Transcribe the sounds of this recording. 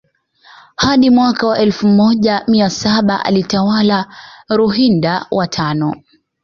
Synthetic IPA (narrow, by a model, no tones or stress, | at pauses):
haɗimwakawaʔɛlfumɔʄamiasaɓaʔa̰litawalaɾuɦindawʔatʰanɔ